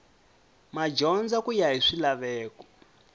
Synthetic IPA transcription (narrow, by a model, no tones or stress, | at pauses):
mad͡ʒɔnd͡zakujaɦiʂilaβɛːkɔ̥